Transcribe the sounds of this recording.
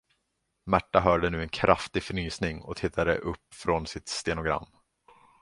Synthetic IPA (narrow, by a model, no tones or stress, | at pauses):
mæʈːaɦœːɖənʉ̟ːɛnkʰɾʔaft̪ɪɡfœɳyːsnɪŋɔ̰t̪ʰɪt̪ʰːad̪ə̰ʔɵpːfɾɔnsɪt̪st̪eːnʊɡɾa̰mː